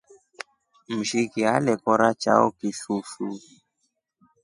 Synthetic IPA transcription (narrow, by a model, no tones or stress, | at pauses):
m̩ʃikialɛkɔɾat͡ʃa̰ɔ̰kisusu